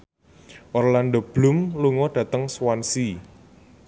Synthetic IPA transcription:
ʔɔrlandob̥lṳmluŋɔɖ̥ä̤t̪əŋswansi

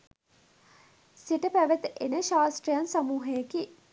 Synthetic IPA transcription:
siʈəpæʋət̪enəʃaːsʈrijansamuːɦejeki

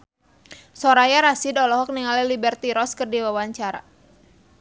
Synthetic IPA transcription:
sɔɾajaɾasidɔlɔɦɔk̚niŋalɛlibɛrt̪iɾɔskərdiwawaɲt͡ʃaɾa̰

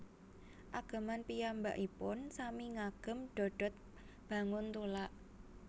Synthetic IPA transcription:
ʔaɡ̥a̤manpijamba̰ʔipʊnsamiŋaɡ̥ə̤mɖ̥o̤ɖ̥ɔ̤t̪̚ | b̥ä̤ŋʊnt̪ulaʔ

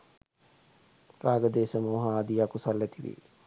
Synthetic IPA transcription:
raːɡəd̪eːsəmuːɦaːd̪iakusalːæt̪iʋḭː

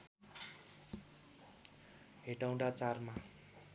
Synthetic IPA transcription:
ɦeʈaw̃ɖat͡sarma

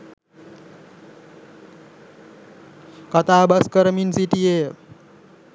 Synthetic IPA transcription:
kʌt̪abaskəɾminsiʈie

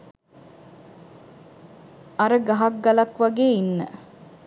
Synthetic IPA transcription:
ɐɾəɡaɦak̚ɡɐlɐkʋaɡeːinːə

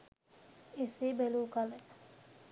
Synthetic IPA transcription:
eseːbeluːkale

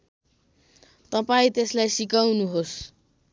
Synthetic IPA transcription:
t̪ʌpaĩt̪eslajsikawnuɦos

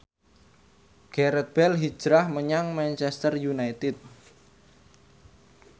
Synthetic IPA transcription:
ɡ̥ɛɾɛt̪̚b̥ɛlɦi̥d͡ʒ̥ɾahməɲaŋmant͡ʃɛst̪ərjunajt̪ɪt̪̚

